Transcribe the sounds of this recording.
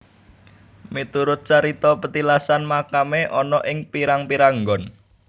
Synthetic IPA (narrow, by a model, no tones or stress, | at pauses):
mit̪uɾʊt̪̚t͡ʃaɾit̪ɔpət̪ilasanmakameʔɔnɔʔɪŋpiɾaŋpiɾaŋɡɔn